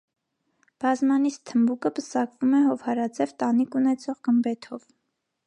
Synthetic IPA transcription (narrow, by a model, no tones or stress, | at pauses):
b̥ɑzmɑnist̪ʰːəmbukəbəsɑkvumɛɦɔvhɑɾɑd͡zɛvt̪ɑnikunɛt͡sʰɔʁɡəmbɛt̪ʰɔv